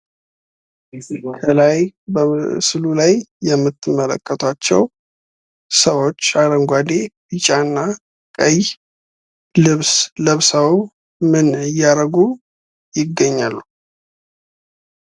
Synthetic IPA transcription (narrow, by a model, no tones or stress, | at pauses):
kʰəlajbəsɨlulajːɛmːɨt̪ʰːɨmːələ̰kʰʼːət̪ʰat͡ʃːɛ̰w | səwo̞t͡ʃːad̪əŋɡʷad̪ebɨt͡ʃʼanːa | kʼəj | lɨβsləβsaw | mɨnɨjːaɾəɡu | jɪɡːəɲːalːu